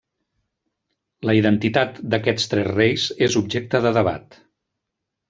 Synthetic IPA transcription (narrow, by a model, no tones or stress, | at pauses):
ləiðənt̪it̪at̪d̪əkɛt͡st̪ɾɛzrejzezubʒek̚t̪əðəðəβa̰t̪